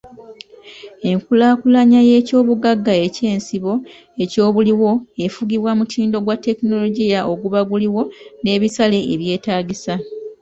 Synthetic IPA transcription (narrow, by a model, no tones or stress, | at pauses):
e̞ŋkulaːkulaɲaje̞ːco̞ːβuɡaɡːae̞ce̞ːnsiβo̞ | e̞co̞ːβuliwo̞e̞fuɡiβwamutʰiːndo̞ɡwatːe̞kino̞lo̞ɟijaʔo̞ɡuβaɡuliwo̞ne̞ːβisale̞ːβje̞ːtaːɟisa